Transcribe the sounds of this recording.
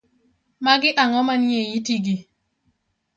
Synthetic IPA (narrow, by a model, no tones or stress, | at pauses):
maɡɪʔaŋɔmanjejitiɡi